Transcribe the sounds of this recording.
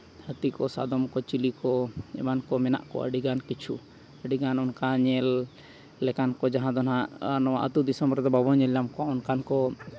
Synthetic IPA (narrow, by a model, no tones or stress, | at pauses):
hət̪ikɔsa̰d̪ɔmkɔt͡ʃilikɔɛ̰mankɔmɛna̰ʔkɔ̰ə̰ɖiɡankit͡ʃʰu | əɖiɡanɔnkaɲɛlː | ɛkankɔd͡ʒaɦãd̪ɔnaʔnɔwa̰ʔə̰t̪ud̪isɔmbɾd̪ɔbabɔɲɛljamkɔaɔnkankɔ